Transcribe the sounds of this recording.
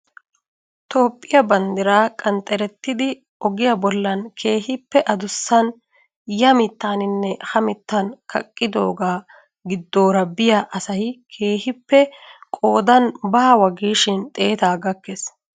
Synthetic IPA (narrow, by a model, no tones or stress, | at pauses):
t̪o̞ːpʼːɪjɐbɐnd̪ɪɾaːkʼɐnt̪ʼːɛɾɛt̪ːɪd̪ɪ | ɔɡɪjɐbɔlːɐnkʰe̞ːhɪpːɛʔɐd̪ʊsːɐn | jɐmɪt̪ːaːnɪnːɛhɐmɪt̪ːɐnkɐ̰kʼːɪd̪o̞ːɡaː | ɡɪd̪ːo̞ːɾɐbɪjaʔɐsɐjkʰe̞ːhɪpːɛkʼo̞ːd̪ɐnbɐːɐwɐɡiːʃɪnt̪ʼe̞ːt̪aːɡɐkːes